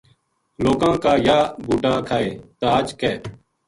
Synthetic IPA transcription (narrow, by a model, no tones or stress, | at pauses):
loːkãːkaːjaːbʱuːʈãːkʰaːeːt̪aːt͡ʃkeː